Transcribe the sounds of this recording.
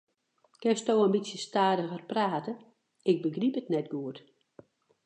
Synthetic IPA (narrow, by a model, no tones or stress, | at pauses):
kɪnstoːəmbitsjəstaːdəɣərpraːtə | ɪk̚bəɡripətnɛtɡuət